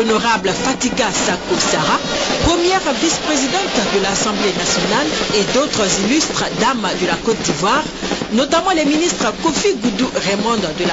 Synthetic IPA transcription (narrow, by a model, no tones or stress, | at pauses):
ɔnoʁablfat̪iɡasakosaʁa | pχəmjɛʁvispχezid̪ɑ̃t̪d̪əlasɑ̃blenasjɔnaled̪ot̪χəzilyst̪χd̪amd̪əlakɔt̪̚d̪ivwaʁnɔt̪amɑ̃lɛminist̪χəkofiɡud̪uʁemɔ̃d̪d̪əla